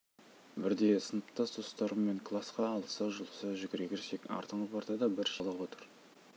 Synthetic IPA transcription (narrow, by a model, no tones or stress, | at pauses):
bɪɾd̪e̞sənəpt̪ɑsd̪ʰost̪ɑɾəmme̞ŋkʰlˠasqɑːlˠəsɑʒəlˠəsɑʒʏɡʲɪɾekʲeɾsekɑ̰ɾt̪əɴəpɑɾt̪ɑd̪ɑbɪɾʃɑlˠɑwo̞t̪əɾ